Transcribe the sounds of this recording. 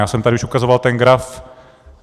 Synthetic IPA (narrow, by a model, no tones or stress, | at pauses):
jaːsɛmt̪adɪʔuʃʔukazovalt̪ɛnɡɾaf